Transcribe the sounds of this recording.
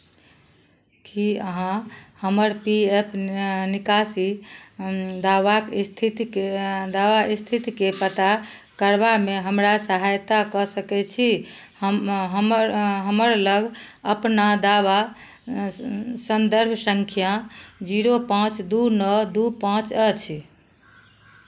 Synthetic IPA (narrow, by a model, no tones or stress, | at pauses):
kiəɦãhəməɾpiepʰnikasi | d̪aʋakst̪ʰit̪ked̪aʋaist̪ʰit̪ikepət̪a | kəɾbameɦəmɾasəɦajt̪akəsəkɛt͡ʃʰi | ɦəmɾɦəməɾləɡʱəpnad̪aβa | sənd̪əɾbʱsəŋkʰjad͡ʒiɾopãt͡ʃd̪unəd̪upãt͡ʃət͡ʃʰ